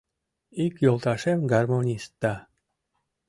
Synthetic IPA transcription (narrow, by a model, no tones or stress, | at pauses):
ikjolˠt̪ɑʃemɡɑrmonʲist̪ːɑ